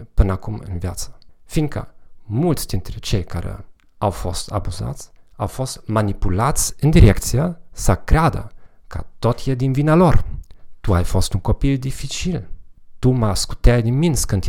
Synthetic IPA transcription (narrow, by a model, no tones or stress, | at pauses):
pɨnakumɨ̰nvjat̪sə̥fiŋɡ̚kə̰mult̪sd̪int̪ɾet͡ʃejkaɾḛ | awfost̪a̰buza̰t̪sʲawfost̪manipulat̪sʲɨnd̪iɾek̚t̪siəsakɾead̪ə̰ | kə̰t̪ot̪jed̪invinalort̪uajfost̪uŋkopild̪ifit͡ʃilt̪umasku̥t̪ad̪iminskənt̪